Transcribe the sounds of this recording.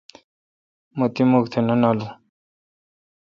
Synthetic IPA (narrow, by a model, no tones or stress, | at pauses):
mot̪imukt̪ʰenɐnaːlu